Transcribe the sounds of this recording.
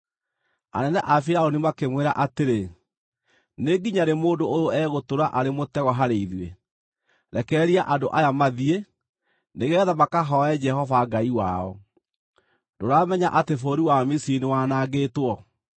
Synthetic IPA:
a̰nɛnɛʔafiɾaonimakemweɾa̰ʔateɾe | neɡiɲaɾemoːdoojoɛɣotoɾaʔaɾemotɛɣɔɦaɾeiðie | ɾɛkɛːɾiaʔadoʔajamaðie | neɣɛðamakaɦɔɛd͡ʒɛɦɔvaɡaiwa̰ɔ̰ | doɾaːmɛɲaʔatefoːɾiwamisiinewanaɡeːtwɔ

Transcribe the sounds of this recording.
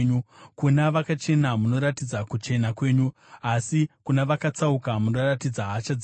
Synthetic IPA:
ɲukunaʋakat͡ʃe̞namuno̞ɾatid͡zakut͡ʃe̞nakwe̞ːɲu | asikunaʋakat͡saukamuno̞ratid͡zaɦat͡ʃad͡z

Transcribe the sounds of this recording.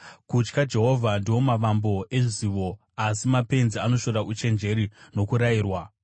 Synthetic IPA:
kut͡ʃkad͡ʒe̞ɦo̞vʱandiwo̞maʋambo̞ʔe̞ʐiziʋo̞ | asimape̞nziano̞ʃo̞ɾaʔut͡ʃe̞nd͡ʒe̞ɾino̞kuɾajiːrwa

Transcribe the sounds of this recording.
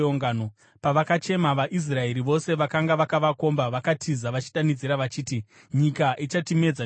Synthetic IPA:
oŋɡaːno | paʋakat͡ʃe̞maʋaʔis̬rae̞ɾiʋo̞se̞ʋakaŋɡaʋakaʋako̞mbaʋakatʰizaʋat͡ʃi̥ɗanid͡ziɾaʋat͡ʃiːti | ɲikaʔit͡ʃatime̞d͡za

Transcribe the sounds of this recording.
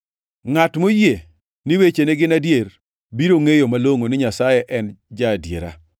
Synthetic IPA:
ŋatmoje | nɪwet͡ʃeneɡɪnadjeɾ | biɾoŋejomaloŋonɪɲasajɛʔɛnd͡ʒadjḛɾa̰

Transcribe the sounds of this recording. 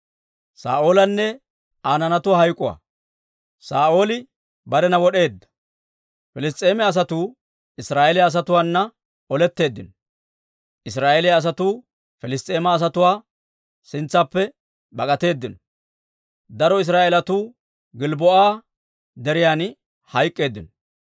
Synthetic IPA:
sa̰ːʔo̞ːlɐnːɛ | aːnɐnɐt̪ʊwaːɦɐjkʼʊwa̰ː | saːʔo̞ːlɪ | bɐɾɛnɐwɔɗe̞ːd̪ːɐ̥ | fɪlɪs̬t̪ʼːe̞ːmɛɐs̬ɐt̪uː | ɪsɾaːelɪaːs̬ɐt̪ʊwaːnːɐ | ɔlɛt̪ːe̞ːd̪ːɪnɔ | ʔɪs̬ɾaːʔelɪjaːs̬ɐt̪uː | fɛlɪst̪ʼe̞ːmaːs̬ɐt̪ʊwaː | sɪnt͡sːɐpːɛ | bɐkʼɐt̪e̞ːd̪ːɪnɔ | d̪ɐɾɔɪs̬ɾaːʔelɐt̪uː | ɡɪlbɔʔaː | d̪ɛɾɪjaːn | hɐjkʼːe̞ːd̪ːɪnɔ

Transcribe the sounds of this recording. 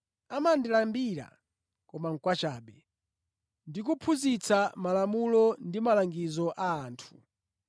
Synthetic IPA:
amandilambiɾa̰ | kɔmaŋ̩kwat͡ʃaːɓɛ | ndik̬upʰuzit͡samalamulɔndimalaŋɡizɔʔaːntʰu̥

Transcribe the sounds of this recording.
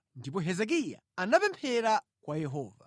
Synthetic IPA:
ndip̬ɔɦɛzɛk̬ija̰anapɛmpʰɛɾa | kwajɛɦɔːva̰

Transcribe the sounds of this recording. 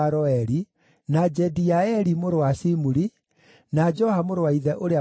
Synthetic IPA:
ɾɔɛɾi | nad͡ʒɛdiaɛɾimoɾowasimuɾi | nad͡ʒɔhamoɾowaiðɛʔoɾea

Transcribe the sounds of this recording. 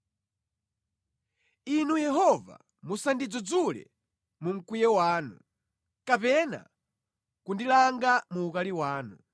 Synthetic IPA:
inujɛɦɔva̰ | musandid͡zɔd͡zulɛ̰ | muŋ̩kwijɛwaːnu | kapɛna̰ | kundilaŋɡamuːkaliwaːnu

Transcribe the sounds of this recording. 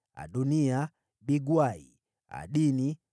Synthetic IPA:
a̰ɗunia | ɓiɡwaḭ | a̰ɗini

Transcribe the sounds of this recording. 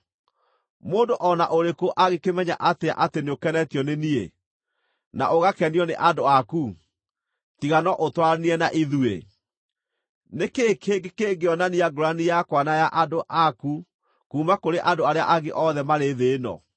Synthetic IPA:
moːndoʔɔnaʔoɾekoʔaɣekemɛɲa̰ʔatea̰ʔateneokɛnɛtijɔnenie | na̰ʔoɣakɛniɔnḛʔadoaku | tiɣanɔʔotwaniɛnaʔiðuḛ | nekekʰeɡekeɡeɔnaniaɡoɾanijakwanajaʔadoʔaku | kuːmakoɾeʔandoaɾea̰ʔaɣeʔɔðɛmaɾeðeːnɔ̰

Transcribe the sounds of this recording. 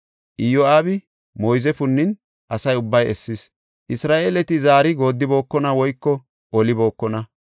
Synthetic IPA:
ʔɪjoaːbɪ | mojzɛfʊnːɪn | ʔɐsɐjʊbːɐjɛsːɪs | ʔɪsɾaːʔeːlɛt̪ɪzaːɾɪɡo̞ːd̪ːɪbo̞ːkːɔnɐwɔjkːɔ | ʔɔlɪbo̞ːkːɔnɐ

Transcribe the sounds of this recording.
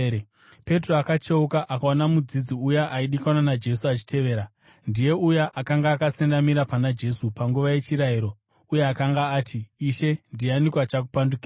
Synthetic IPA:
pe̞t̬roakat͡ʃeukaʔakaonamud͡zid͡ziujaʔaiɗikananad͡ʒe̞suat͡ʃi̥tʰe̞ʋe̞ːɾa | ndije̞ujaʔakaŋɡaːkasendamiɾapanad͡ʒe̞supaŋɡuʋaje̞t͡ʃiɾaiɾo̞ | uje̞akaŋɡaːtʰiːʃe̞ndianikwat͡ʃak̬upandukiːa

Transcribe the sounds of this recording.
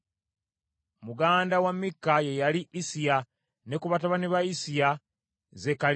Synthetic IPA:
muɡaːndawamːikːaje̞jaliʔisija | ne̞kuβataβaniβaisija | ze̞ka

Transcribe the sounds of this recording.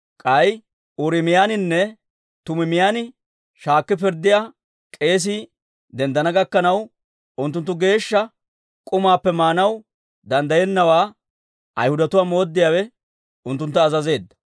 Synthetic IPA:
kʼɐj | ʊɾɪmɪjaːnɪnːɛ | t̪ʊmɪmɪjanɪ | ʃaːkːɪp̬ɪɾd̪ɪjaː | kʼe̞ːs̬ɪ | d̪ɛnd̪ɐnɐɡɐkːɐnɐw | ʊnt̪̬ːʊnt̪ːʊɡe̞ːʃːɐ | kʼʊmaːpːɛmaːnɐw | d̪ɐnd̪ɐjɛnːɐwaː | ʔɐ̰jhʊd̪ɐt̪ʊwaːmo̞ːd̪ːɪjaːwɛ | ʊnt̪ːʊnt̪ːɐːzɐze̞ːd̪ːɐ̥

